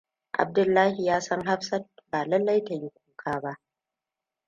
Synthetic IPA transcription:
ʔa̰˨b̚dʊ˨lːaː˦hi˨jaː˦sɐ˦ŋɦa˦ɸsɐ˦t̚baː˨lɐ˦lːa˦jta˨ji˦kʷuː˦kʰaː˦ba˦ʔ

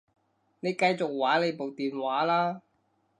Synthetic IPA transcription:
ne˨˧jkɐ˧jt͡so˨k̚waː˨˥le˨˧jpo˨wt̪iː˨nwaː˨˥laː˥

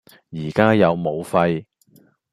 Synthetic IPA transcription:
jiː˨˩kaː˥jɐ˨˧wmo˨˧wfɐ˧j

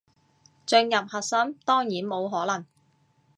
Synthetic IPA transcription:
t͡sɵ˧ŋjɐ˨p̚hɐ˨t̚sɐ˥mt̪ɔː˥ŋjiː˨˥nmo˨˧wɦɔː˨˥lɐ˨˩ŋ

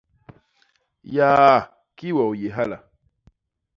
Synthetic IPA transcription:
ja˦˨ | ki˦wɔ˨wje˨ɦa˦la˨

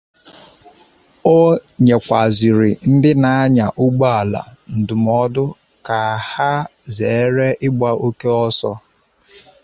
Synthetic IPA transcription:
o˦ɲe˨kʷa˨zi˨ɾɪ˨n̩˦dɪ˦na˨a˦ɲa˨ʔʊ˦ɡ͡ba˦a˨la̰˨n̩˨dʊ˨m˨ɔ˦dʊ˦ | ka˨ha˦ze˨e˦ɾe˦ʔɪ˦ɡ͡ba˦ʔo˦ke˦ɔ˦sɔ˦

